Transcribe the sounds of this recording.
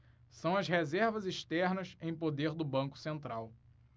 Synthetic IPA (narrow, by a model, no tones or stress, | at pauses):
sɐ̃w̃ɐsɦezɛɾvɐziʃt̪ɛɾnɐsẽj̃pod̪eɾd̪ʊbɐ̃kʊ̥sẽnt̪ɾaw